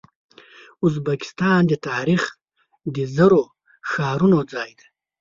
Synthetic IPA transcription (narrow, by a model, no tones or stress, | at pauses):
uzbaki̥st̪ɑːnd̪ət̪ɑːɾix | d̪əzaɾo | ʃɑːɾunod͡zɑːjd̪a